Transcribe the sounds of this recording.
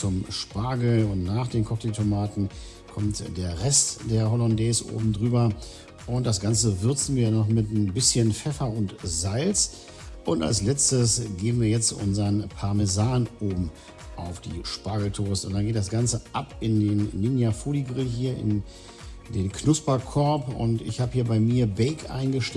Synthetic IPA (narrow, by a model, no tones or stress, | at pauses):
t͡sʊmʃpaːɡl̩ʊntnaːχd̥eːnkʰɔktitʰomaːtn̩ | kʰɔmtd̥eːɐʁɛstd̥eːɐɦɔlɔndɛːsʔo̰ːbm̩dʁyːbɐ | ʔʊnt̚d̥asɡ̥ant͡səvʏɐt͡sn̩viːɐjnɔχmɪtbɪsçənfɛfɐʊntzalt͡s | ʔʊnta̰lslɛt͡stəsɡ̥eːn̩viːɐjɛt͡stʔʊ̰nzɐnpʰaɐmɛzaːnʔoːbm̩ | ʔaʊfd̥ḭːʃpaːɡl̩tʰoːstʊntd̥anɡeːtd̥asɡ̥ant͡səʔapɪndeːnːɪnjafoːliɡʁɪɦiːɐɪ̰n | deːnkʰnʊspɐkʰɔɐpʊ̰ntɪ̰çhaːbəhiːɐbaɪmiːɐbɛɪkʔa̰ɪnɡəʃtɛ